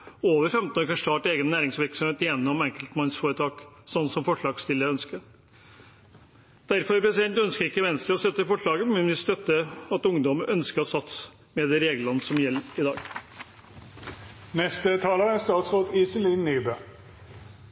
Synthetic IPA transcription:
oːʋəɾfɛmt̪n̩oːɾkɑnʂt̪ɑːʈəeːɡənːæːɾɪŋsʋɪɾksɔmheːt̪jɛnːɔmɛŋkəlt̪mɑnsfoːɾət̪ʰɑːk | sɔnːsɔmfɔʂɭɑːɡst̪ɪlːəɾœnskə | d̪̥æɾfɔɾpɾɛsɪd̪ɛnt̪œnskəɾɪkːəʋɛnst̪ɾəɔst̪œt̪ːəfɔʂɭɑːɡəmɛnʋɪst̪œt̪ːəɑt̪ʊŋd̪ɔməʔœnskəɾɔsɑt̪s | mɛd̪ɛɾeːɡəlɑnsɔmjɛlːɪd̪ɑ̰ːɡ | nɛst̪ət̪ʰɑːləʁəɛst̪ɑːt̪sʁoːd̪isɪliːnːyːbø

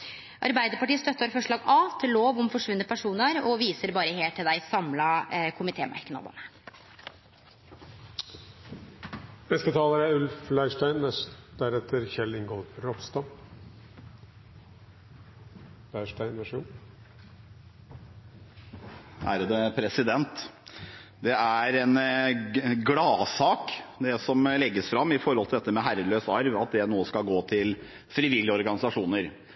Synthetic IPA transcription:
ʔɑ̰ɾbæɪd̪əɾpɑʈiːəst̪œt̪ːəɾfɔʂɭɑːɡɑːt̪ʰɪloːʋɔmfɔʂʋʉnːəpʰæʂuːnəɾɔʋiːsəɾbɑːɾəheːlʈ̪ʰɪld̪æɪsɑmlɑkʰʊmɪt̪ʰḛːmʔæ̰ɾkənɑ̰b̪ə̰nə | nɛsk̪ət̪ʰɑːləɾæʉlflæɪʂʈæɪnːɛd̪æɾɛt̪ʰːəɾçɛlɪŋɡoːd̪ɾɔpst̪ɑ | læɪʂʈæɪʋæʂṵː | hæ̰ːɾəd̪əpʰɾɛsɪd̪ɛnt̪ | d̪ɛæɾɛn | ɡɽɑːsɑːkd̪ɛsɔmlɛɡːəsfɾɑmːɪfɔɾhɔlt̪ɪɛt̪ːəmɛɦæɾəløːsɑɾʋɑt̪̚d̪ɛnoːəskɑlɡoːt̪ʰɪl | fɾɪʋɪljəɔɾɡɑnɪsɑʂuːnəɾ

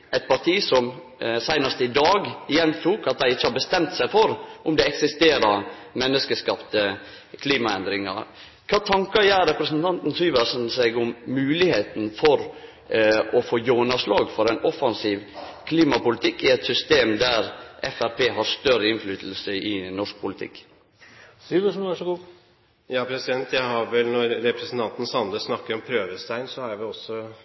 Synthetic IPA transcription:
ʔɛɪt̪̚pɑʈʰiːsɔm | sæɪnɑst̪əɪd̪ɑːɡɪjɛnt̪ʰuːkɑt̪̚d̪æɪɪt͡ʃːəhɑbəst̪ɛmt̪sæɪfɔɾʔʊmd̪ɛɛksɪst̪eːɾɑmɛnːəskəskɑpt̪ə | kʰliːmɑɛnd̪ɾɪŋɑ̰ɾ | kʰɑːt̪ʰɑŋkɑjæːɾɛpɾəsnt̪ʰɑnt̪n̩syːʋəsn̩sɛɡʊmːʉːlɪheːt̪n̩fɔɾ | ɔfoːjoːnɑslɑːɡfɔɾɛɪnɔfɑnsiːʋkʰliːmɑpʊlɪt̪ʰɪkːɪɛt̪sʏst̪eːmd̪æɾʔɛfæɾpʰeːɦɑɾst̪œɾəɪnflyːt̪l̩səɪnɔʂk̚pʰʊlɪt̪ʰɪ̰kː | syːʋəʂn̩ʋæʂɔɡuː | jɑːpʰɾɛsɪd̪ɛnt̪jæɪhɑɾʋɛlnɔɾɾɛpɾɛsn̩t̪ʰɑnt̪n̩sɑnd̪əsnɑkːəɾɔmpʰɾøːʋəst̪ʰæɪnsɔhɑɾʋɪɔsːɔ

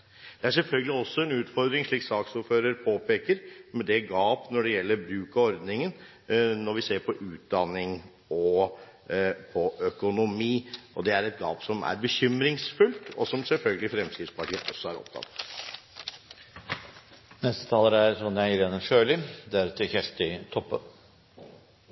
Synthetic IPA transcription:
d̪̥ɛæʂɛlfœlɡəlɪɔsːɔɛnʉːt̪fɔɾd̪ɾɪŋʂɭiːksɑːksʊɾføːɾəɾpʰoːpeːkəɾmɛd̪ɛɡɑːpnɔɖɛjɛlːəɾbɾʉːkɑɔɾd̪nɪŋən | nɔɾʋɪseːɾpʰɔʔʉːt̪̚d̪ɑnːɪŋ | ɔ | pʰɔʔœkʊnʊmiːʔɔd̪ɛæɾɛt̪̚ɡɑ̰ːpsɔmæ̰ɾbəçʏmɾɪŋsfʉlt̪ɔsɔmsɛlfœlɡəlɪfɾɛmskɾɪft̪spɑʈʰiːəʔɔsːɔæɾɔ̰p̚t̪ʰɑ̰t̪ː | nɛst̪ə̥t̪ʰɑːləɾæɾsɔnjæɪɾeːnəʂøːlɪd̪æɾt̪ʰːɪçæʂt̪ɪt̪ʰɔpːən

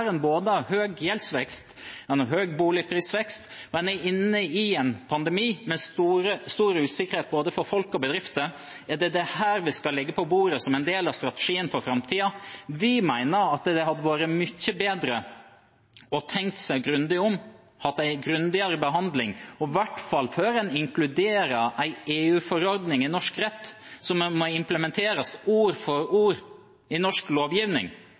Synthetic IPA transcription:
ɾənboːd̪əɑhøːɡjɛlsʋɛkst̪ɛnəɦøːɡbuːlɪpʰɾiːsʋɛkst̪mɛnɛɪnːəɪɛnpʰɑnd̪ɛmiːmɛst̪uːɾəst̪uːɾəʉːsɪkəɾheːt̪̚boːd̪əfɔɾfɔlkɔbəd̪ɾɪft̪ə | ɛd̪ɛd̪ɛhæːɾʋɪskɑlɛɡːəpʰɔbuːɾəsɔmɛɪnd̪eːlɑst̪ɾɑt̪ə̥ʂiːənfɔɾfɾɑmt̪ʰiːɑʋɪmæɪnəɾɑt̪d̪ɛɦɑd̪əʋoːɾəmʏçːəbeːd̪ɾə | ɔt̪ʰɛŋk̚t̪sæɪɡɾʉnd̪ɪʊm | hɑt̪ːæɪɡɾʉnd̪ɪɑɾəbəɦɑnd̪lɪŋɔʋæʈːfɑlːføːɾɛnɪŋklʉd̪eːɾəʔæɪeːʉːfɔɾɔɾd̪nɪŋɪnɔʂkɾɛt̪ːsɔmmɔɪmpləmɛnt̪ʰeːɾəsuːɾfɔɾuːɾ | ɪnɔʂkloːʋjiːʋnɪ̰ŋ

